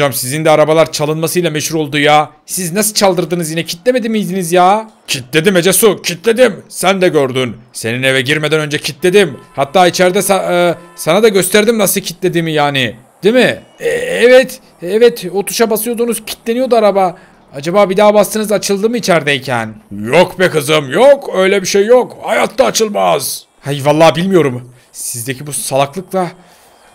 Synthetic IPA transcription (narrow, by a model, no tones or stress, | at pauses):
od͡ʒamsizind̪ɛaɾabalˠaɾt͡ʃʰalˠɯnmasɯjlˠamɛʃhuɾo̞lˠd̪ujaːsiznasɯt͡ʃʰalˠd̪ɯɾd̪ɯnɯzjinɛcʰi̥t̪lʲeme̞d̪imijd̪inizjaːcʰit̪lʲed̪imed͡ʒesucʰit̪lʲe̞d̪imsænd̪ɛɟøɾd̪ynse̞ninevɛɟiɾme̞d̪ænø̞nd͡ʒɛcʰit̪lʲe̞d̪imhat̪ʰːaːit͡ʃʰæɾd̪ɛsasanad̪aɟø̞st̪æɾd̪imnasɯcʰit̪lʲe̞d̪imijaːnɪ | d̪̥imɪ | ɛɛvɛt̪ | ɛvɛt̪o̞t̪ʰu̥ʃabasɯjod̪unuz̥cʰi̥t̪lʲe̞nijo̞d̪uaɾaba | ad͡ʒabaːbid̪aːbast̪ʰɯnɯzat͡ʃʰɯlˠd̪ɯːmit͡ʃʰæɾd̪ɛjcʰæ̰njokbɛkɯzɯmjokʰø̞jlʲɛbiʃejːokhajat̪ʰlˠaːt͡ʃʰɯlˠmaz̥ | hajvalˠːaːbilʲmijo̞ɾum | sizd̪e̞cʰibusalˠaklˠɯklˠa